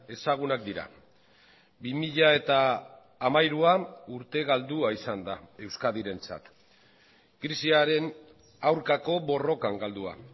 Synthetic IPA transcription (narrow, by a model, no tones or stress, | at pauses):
e̞saɣ̞unakd̪iɾa̰ | bimiʎae̞t̪aː | majɾuauɾt̪e̞ɣald̪uaisand̪ae̞wskaðiɾe̞nt͡sa̰t̪ | ɡɾisiaɾe̞n | awɾkako̞βo̞ro̞kaŋɡald̪ua̰